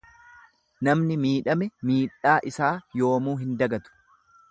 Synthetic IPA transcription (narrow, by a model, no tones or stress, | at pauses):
nɐmnɪmiːᶑɐmɛmiːᶑaːʔɪsaːjo̞ːmuːɦɪnd̪ɐɡɐt̪ʊ̥